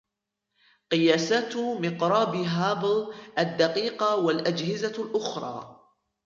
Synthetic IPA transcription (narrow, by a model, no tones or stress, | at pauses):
qɨjaːsaːt̪mɪqɾˤɑːbɦaːbɪlʔad̪ːɑqiːqɑwalʔad͡ʒhɪzalʔʊxɾˤɑ̰ː